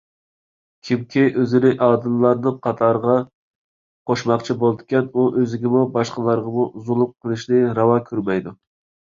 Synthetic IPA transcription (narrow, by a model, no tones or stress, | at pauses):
kʲʰimkʲʰiʔøzɪnɪʔɑːd̪ɨllˠɑɾnɨnqʰɑt̪ʰɑɾʁɑ | qʰoʃmɑqt͡ʃʰibolˠd̪ɪkʲɛnuʔøzɪɡʲɪmubɑʃqəlˠɑɾʁɑmuuzulˠʊp̚qʰəlˠɨʃnɪɾɑwɑkʲʰøɾmɛjd̪u